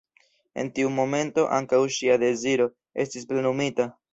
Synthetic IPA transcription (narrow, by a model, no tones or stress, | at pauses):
e̞̰ntiumo̞me̞nto̞ʔaŋkawʃiade̞ziɾo̞ | e̞̰stisple̞numita